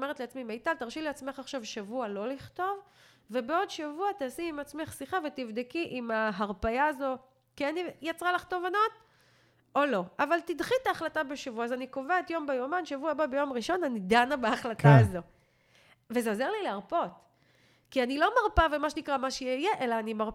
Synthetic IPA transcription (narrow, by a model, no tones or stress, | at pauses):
ome̞ʁetleat͡smimejtalt̪aʁʃileat͡sme̞χaχʃavʃavualo̞liχto̞v | ve̞beo̞dʃavuat̪aːsiːmat͡sme̞χsiχavet̪ivd̪ekiʔimaɦaʁpajaːzo̞ | kianijat͡sʁalaχt̪o̞vanot̪ | olo̞avalt̪idχit̪aːχlatabeʃavuaːzanikovaet̪jo̞mbejomanʃavuababejo̞mʁiʃo̞nanidanabaːχlat̪aazo̞ | vezeozeʁlileaʁpo̞t | kianilo̞maʁpavemaʃenikʁamaʃeijeʔelaːnimaʁ